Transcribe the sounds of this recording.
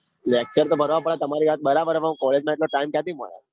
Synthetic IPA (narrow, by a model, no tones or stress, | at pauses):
lek̚t͡ʃəɾt̪obʱəɾʋapəɭat̪əmaɾiʋat̪̚bəɾabəɾʋãkɔled͡ʒnãeʈloʈaimkjat̪imə̰ɭa̰